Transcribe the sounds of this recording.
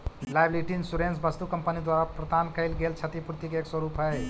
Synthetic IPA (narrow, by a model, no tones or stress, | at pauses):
lajbliʈinsuɾensbəst̪ukəmpənid̪waɾapɾəd̪ankəɪlɡelt͡ʃʰət̪ipuɾt̪ikeekswəɾupɦəɪ